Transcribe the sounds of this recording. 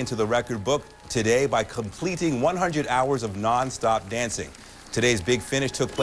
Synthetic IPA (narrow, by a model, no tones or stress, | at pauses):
ɪ̃ntʉðəɹɛkə˞d̚bʊk̚ | tʰɨdeɪbaɪkʰə̃mpʰl̥iɾɪ̃ŋwʌ̃nɦʌ̃ndɹɨɾaʊə˞zʌvnɑ̃nstɑp̚d̥æ̃nsɪ̰̃ŋ | tʰɨɾeɪzbɪɡfɪ̃ñɨʃtʰʊk̚pʰl